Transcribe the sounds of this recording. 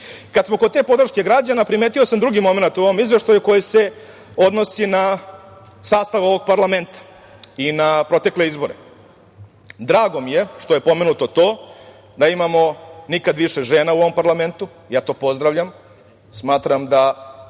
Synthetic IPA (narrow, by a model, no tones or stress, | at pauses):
kad̪smo̞kod̪t̪e̞po̞d̪ɾ̩ʃke̞ɡɾad͡ʑanapɾimet̪iosamd̪ɾuɡimo̞me̞nat̪uoʋo̞mizʋe̞ʃt̪ajuko̞jise̞ | o̞d̪no̞sina | saːst̪aʋo̞ʋo̞ɡ̚paɾlˠame̞nt̪ḁ | inapɾo̞t̪e̞kle̞izbo̞ɾe | d̪ɾaːɡo̞mije̞ʂt̪o̞jepo̞me̞nut̪o̞t̪o̞ː | d̪aimamo̞nikad̪ʋiʃeʒe̞ːnauoʋo̞mpaɾlˠame̞nt̪u | jaːt̪o̞ːpo̞zd̪ɾaʋʎam | smaːt̪ɾamd̪a